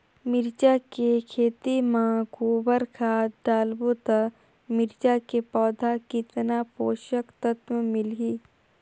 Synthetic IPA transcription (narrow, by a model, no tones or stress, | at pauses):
mɪɾt͡ʃakekʰeːt̪imãkuːbəɾkʰaːd̪aːlbot̪a | mɪɾt͡ʃakepɔːd̪ʱakɪt̪napoːʃəkt̪ət̪məmɪlɦiː